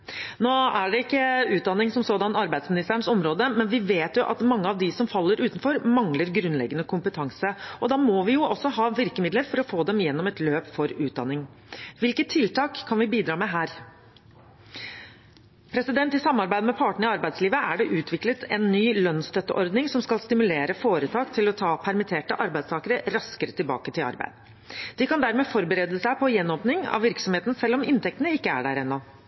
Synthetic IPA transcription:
noːæɖɛɪkːəʉːt̪̚d̪ɑnːɪŋsɔmsoːd̪ɑnːɑɾbæɪd̪smɪnɪst̪æɳsɔmɾoːd̪əmɛnʋɪʋeːt̪jʊʔɑ̰t̪mɑŋːəɑʋd̪ɪsɔmfɑlːəɾʔʉːt̪n̩fɔɾmɑŋləɾɡɾʉnːlɛ̰ɡːənəkʰʊmpət̪ʰɑŋsəɔd̪ɑːmɔʋɪjʊʔɔsːɔɦɑːʋɪɾkəmɪd̪ləɾfɔɾɔfoːd̪ɛmjɛnːɔmɛt̪løːpfɔɾʉːt̪̚d̪ɑ̰nːɪŋ | ʋɪlkət̪ʰːɪlt̪ɑːkʰːɑnʋɪbiːd̪ɾɑːmɛɦæːɾ | pʰɾɛsɪd̪ɛnt̪ɪsɑmːɑɾbæɪd̪əmɛpʰɑːʈɳəɪɑɾbæɪsliːʋəæɖɛʔʉːt̪ʰʋɪklət̪ʰɛnːyːlœnst̪ʰœt̪ːəʔɔɾd̪nɪŋsɔmskɑlst̪ɪmʉleːɾəfoːɾət̪ʰɑːkt̪ʰɪlɔt̪ʰɑːpʰæɾmɪt̪ʰeːʈəʔɑɾbæɪst̪ɑːkəɾəɾɑskəɾət̪ɪlbɑ̰ːkət̪ʰɪlɑ̰ɾbæ̰ɪd̪ | d̪̥ɪkɑnd̪æɾmeːfɔɾbəɾeːd̪əsæɪpʰɔjɛnɔːpnɪŋɑ̰ʋɪɾksɔmheːt̪n̩sɛlːɔmɪnt̪ɛk̚t̪ənəɪkːəæ̰ɖæɾɛnːɔ

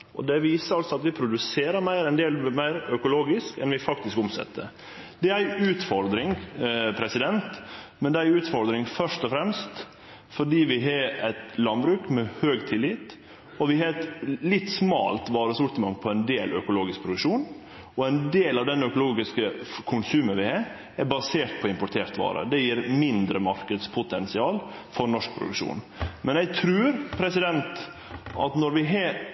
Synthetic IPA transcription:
ʔɔ̰d̪ɛʋiːsəɾɑlsɔɑt̪ʋɪpʰɾʊd̪ʉseːɾəɾmæɪɾɛnd̪eːlmæɪɾœkʊloːɡɪskɛ̰nʋɪfɑk̚t̪ɪskʊmsɛ̰t̪ʰːə̰ | d̪ɛæɾʉːt̪fɔɾd̪ɾɪŋpʰɾɛsɪd̪ɛnt̪mɛnd̪ɛæɾʉːt̪fɔɾd̪ɾɪŋfœʂt̪ɔfɾɛmst̪ | fɔɖiːʋɪɦɑɾɛt̪lɑnbɾʉːkmɛhøːɡt̪ʰɪlːɪt̪ | ɔʋɪhɑɾɛt̪lɪt̪ːsmɑ̰ːlt̪ʋɑːɾəsʊɾt̪əmɑŋpʰɔɛnd̪eːlœkʊloːɡɪsk̚pʰɾʊd̪ʉkʂuːn | ɔɛɪnd̪eːlɑʋd̪ɛnœkʊloːɡɪskəkʰʊnsʉːmənʋɪhɑɾ | æɾbɑseːʈ̪pʰɔɪmpʊʈ̪ʰeːɾt̪ʋɑ̰ːɾə̰d̪ɛjiːɾmɪnd̪ɾəmɑɾkəd̪spʰʊt̪ʰɛnsɪɑːlfɔɾnɔʂk̚pʰɾʊ̰d̪ʉkʂṵːn | mɛnæɪɡ̚t̪ʰɾʉːɾpʰɾɛsɪd̪ɛnt̪ | ʔɑ̰t̪nɔɾʋɪɦɑ

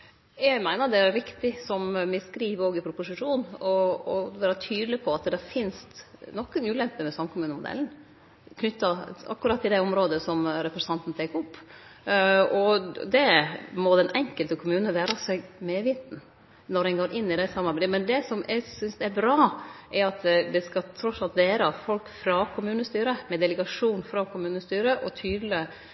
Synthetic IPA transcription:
jɛɡmæɪnəɾd̪ɛæɾɾɪkt̪ɪsɔmmɪskɾiːʋoːɡɪpʰɾʊpʊsɪʂuːnɔɔʋæːɾɑt̪ʰyːd̪lɪpʰɔɑt̪d̪ɛɾfɪnst̪nɔkːənʉːlɛmpːəmɛsɑmkʰʊmʉːnəmʊd̪ɛ̰ln̩ | kʰnʏt̪ːɑɑ̰kːɾɑt̪ːɪd̪ɛɔmɾoːd̪əsɔmɾɛpɾɛsɑnt̪n̩t̪ʰeːkːɾʊpː | ɔd̪ɛmɔd̪ɛnʔɛŋkəlt̪əkʰʊmʉːnəʋæːɾɑsɛɡmeʋiːt̪n̩ | nɔɾɛnɡoːɾʔɪnːɪd̪ɛsɑmːɑɾbɾɪmɛnd̪ɛsɔmæɡsʏnsd̪ɛæɾbɾɑːʔɛɾɑt̪d̪ɛskɑt̪ʰɾɔt̪sɑlt̪d̪eːɾɑfɔlkfɾɑkʰʊmʉːnəst̪yːɾəmɛd̪ɛləɡɑʂuːnfɾɑkʰʊmʉːnəst̪yːɾəʔɔt̪ʰyːd̪lɪ

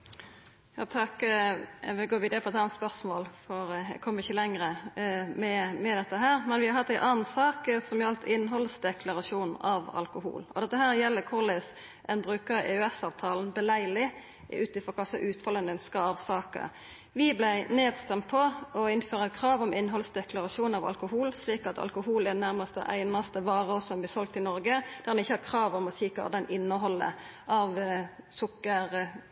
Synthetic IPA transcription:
jɑ̰ːt̪ʰɑk | ʋɪɡoːʋiːd̪əpʰɔɛt̪hɑnːt̪spœʁsmoːlfɔɾɛ̰kʰɔmːəʁɪçːəlɛŋʁəmɛmɛd̪ɛt̪ːəɦæːʁmɛnʋɪhɑɾhɑt̪ːæɪnʔɑːnnsɑːksɔmjɑlt̪ʰɪnːɦɔlsd̪ɛkʰlɑʁɑʂuːnɑ̰ʋɑ̰lkʊhṵːlɔd̪ɛt̪ːəɦæːɾjɛlːəkʰʊlɪs | ʔɛnbʁʉːkəɾḛːʉɛsɑːʋt̪ʰɑːln̩bəlæɪlɪ | ʉːt̪ɪfʁɔkʰɑsɑ̰ʔʉːt̪fɑlənəœnskəɑːʋsɑːkə̰ | ʋɪblæɪneːd̪st̪ɛmt̪̚pʰɔɔɪnføːɾʁəɛt̪̚kʰʁɑːʋɔmɪnːɦɔlsd̪ɛklɑɾɑʂuːnɑʋɑ̰lkʊhuːlsliːkɑ̰t̪ʰɑ̰lkʊɦuːlɛd̪ɛnæʁmɑst̪ə̰ʔæ̰ɪnɑst̪əʋɑːʁəɔsɔmb̪ɪsɔlk̚t̪ɪnɔɾɡəd̪̥æʁd̪ɛnɪçːəhɑːkʰʁɑːʋɔmɔsiːkɑ̰d̪ɛnɪnːəɦɔlːə̰ | ʔɑʋsʊkːəʁ

